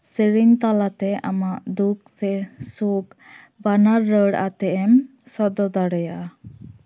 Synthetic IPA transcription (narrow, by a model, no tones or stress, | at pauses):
siɾiŋt̪alat̪ɛamaʔd̪ukt̪ɛsuk | banaɾːəɽa̰t̪ɛɛm | sɔɾd̪ɔd̪aɽɛjaʔa